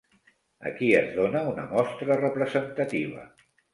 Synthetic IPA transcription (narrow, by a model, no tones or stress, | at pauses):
ə̰kiəzðonəunəmɔst̪ɾərəpɾəzənt̪ət̪iβ̞ə̰